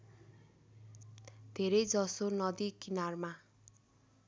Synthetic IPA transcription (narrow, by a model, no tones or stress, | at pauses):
d̪ʱeɾʌjd͡zʌsonʌd̪ikinarma